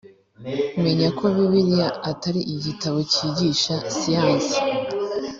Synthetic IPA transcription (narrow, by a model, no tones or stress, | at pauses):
kume̞ɲakʰoβiβiɾijaataɾiʔiɟitaβo̞ciːɟiːʃasijaːnsi̥